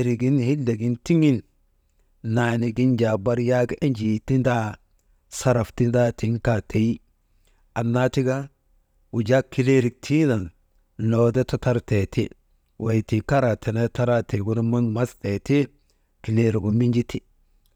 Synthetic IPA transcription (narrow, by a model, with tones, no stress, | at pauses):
ɾi˨ɡi˦nhi˦lːe˨ɡi˦nti˦ŋi˦l | na˨ni˨ɡi˦nd͡ʒa˨ba˦ɾja˦ɡʔe˦nd͡ʒi˨ti˦nda˦ | sa˦ɾa˨fti˦nda˦ti˨ŋka˦te˨ji˦ | a˨nːa˦ti˦ɡa˦ | wu˨d͡ʒa˦kːi˨le˦ɾi˨k̚tʰi˦na˨n | no˨de˦ta˦ta˦ɾte˨tʰḭ˦ | wʔa˨jti˨ka˦ɾa˨te˨na˦ta˦ɾa˦tʰe˨ɡu˦n˦mu˦nma˦ste˨ti˦ | ki˨le˦ɾi˨ɡu˨mi˦nd͡ʒi˦ti˦